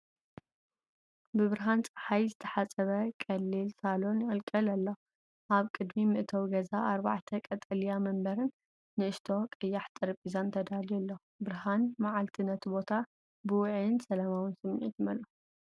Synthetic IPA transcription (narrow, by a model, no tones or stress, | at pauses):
bɨβɨɾɦant͡sʼɐħajzɨt̪ʰɐħat͡sʼɐβɐkʼɐlːilsalonjɪʔʼɨlkʼɐlɐlːo | ʔaβkʼɨd̪mimɨʔɨt̪ʰɐwɡɐzaʔaɾba̰ʕt̪ʰɐkʼɐt̪ʼɐlijamɐmbɐɾɨnː | ɨʔɨʃt̪ʰo̞kʼɐjːaħt̪ʼɨɾpʼizant̪ʰɐd̪aljɛlːo | bɨɾɦanmaʕalt̪ʰinɐt̪ʰbo̞t̪ʰa | bɨwʊʕnsɐlamawɨnsɨmːʕit̪mɐlo